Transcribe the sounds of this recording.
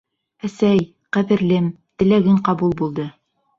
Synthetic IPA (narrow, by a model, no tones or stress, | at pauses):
æsæj | qæβɘ̆ɾlɘm | t̪ɘ̆læɡɘɴqɑbulˠbulˠd̪ɤ